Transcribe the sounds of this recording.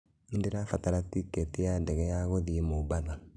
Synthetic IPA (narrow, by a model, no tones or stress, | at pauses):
endeɾafataɾatiketeadɛɣɛjaɣoðiemobaða